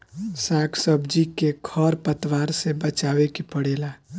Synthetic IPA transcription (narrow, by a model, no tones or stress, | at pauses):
saɡsəbd͡ʒikekʰəɾpət̪waɾsebət͡ʃawekipəɽela